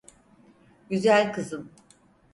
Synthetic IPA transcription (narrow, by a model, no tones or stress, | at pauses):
ɟyzælʲkʰɯzɯm